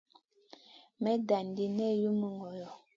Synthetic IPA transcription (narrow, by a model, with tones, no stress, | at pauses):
mɛ˨˦da˨n˨di˦nɛ˦˨ju˦mə˦ŋɡɔ˨jɔ˨